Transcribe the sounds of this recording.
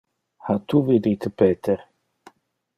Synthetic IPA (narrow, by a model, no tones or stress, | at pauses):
hat̪uvid̪it̪ʰəpɛt̪ʰəɾ